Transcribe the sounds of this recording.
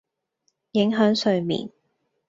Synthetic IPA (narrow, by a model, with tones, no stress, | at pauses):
jɪ˨˥ŋɦœː˨˥ŋsɵ˨˧ɥmḭː˨˩n